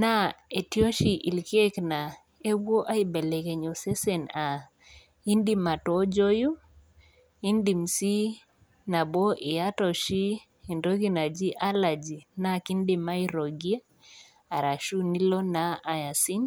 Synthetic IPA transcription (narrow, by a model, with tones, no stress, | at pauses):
na˦e˨tjɔ˦ʃi˨ʔḭ˨lke˦kna˨ | e˦bwo˦ʔa˦i˨bɛ˨lɛ˨kɛ˨ɲo˨sɛ˦sɛ˨na˨ | i˦ndi˦ma˨tɔ˦d͡ʒo˦ju˦ | i˦ndi˨msi˦ | na˨bɔ˦ʔi˨ja˦tɔ˨ʃi˦ | i˨ndo˦ɡi˦na˨d͡ʒi˦ʔa˦la˨d͡ʒi˨na˦ki˦ndi˨ma˦i˦ɾo˨ɡi˦a˦ | a˨ɾa˨ʃu˦ni˦lɔ˦naː˦˨ja˨si˦n